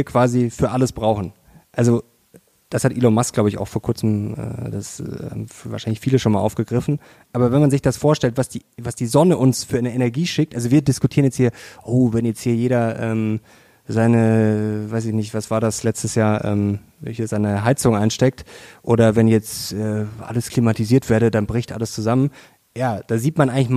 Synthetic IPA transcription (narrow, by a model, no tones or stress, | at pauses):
viːɐkv̥aːzifyːɐʔaləsb̥ʁaʊxn̩ | ʔalzo | d̥ashatʔiːlɔnmaskɡ̥laʊbəɪça̰ʊxfoːɐkʰʊɐt͡sm̩ʔɛ̰ːd̥asa̰mva̰ːʃaɪnlɪçfiːləʃoːnmalʔa̰ʊfɡ̥əɡʁɪfn̩ | ʔaːbɐvɛnmanzɪçd̥asfoːɐʃtɛltv̥asd̥iːvasd̥iːzɔnəʔʊnsfyːɐanəɛnɛɐɡiːʃɪk̚tʔalzoviːɐdɪskutʰiːɐənjɛt͡sthiːɐʔoːvɛnjɛt͡sthiːɐjeːɾɐʔɛːm | zaɪnəvaɪs̬ɪçnɪçtv̥asv̥aːɐdaslɛt͡stəsjaːɐʔɛ̰ːm | vɛ̰lçəɐzaɪnəɦaɪt͡sʊŋəʔaɪnʃtɛk̚tʔoːɾɐvɛnjɛt͡stʔɛːʔa̰ləskl̥imatiziːɐtv̥eːɐɾədanbʁɪçtʔa̰ləst͡suzamən | jaːd̥aːziːtmanʔaɪŋlɪç